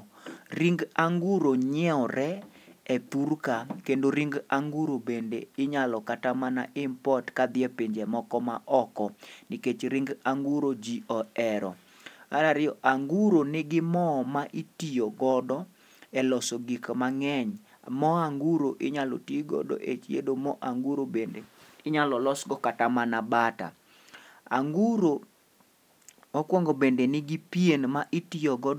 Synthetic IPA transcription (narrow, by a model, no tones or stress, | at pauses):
ɾiŋɡaŋɡuɾoɲɛɔɾɛɛt̪urkakendoɾiŋɡaŋɡuɾobendeɪɲalɔkatamana̰ʔɪmpɔtkad̪ɪepiɲd͡ʒɛmɔkɔma̰ʔɔkɔnɪket͡ʃɾiŋɡaŋɡuɾod͡ʒiɔɛɾɔ̰ | a̰naɾɪjɔʔaŋɡuɾonɪɡɪmɔmaʔitijoɡɔdɔ | ɛlɔsɔɡikmaŋɛɲ | mɔaŋɡuɾoʔɪɲalo̰tiɡɔ̰dɔ̰ʔḛt͡ʃjḛdomɔʔaŋɡuɾobendeɪɲalɔlɔsɡɔkatamanabata̰ | a̰ŋɡuɾo | okwɔŋɡobendenɪɡɪpienmaʔitijoɡɔd